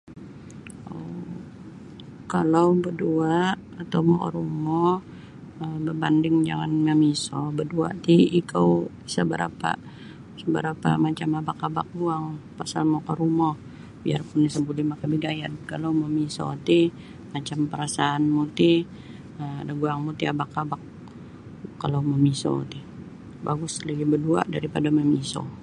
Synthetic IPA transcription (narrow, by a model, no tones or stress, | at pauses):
o | kalawbəduaʔ | at̪awmɔkɔ̰ɾumɔ | əbəbandɪŋd͡ʒaŋanməmisɔbədua̰ʔt̪iikʰəw | səbə̰ɾa̰pa̰ | səbəɾapa̰mat͡ʃamabakaba̰k̚buaŋpasalmokaɾumɔh | biarpʊnːisəbulimakabiɡajat̪̚kalawməmisɔ̰t̪i | mat͡ʃampəɾasaːnmut̪i | əadaɡuaŋmut̪iabakːabak̚ː | alowməmisɔ̰t̪i | baɡʊsləɡibədua̰ʔdaɾipadaməmisɔ̰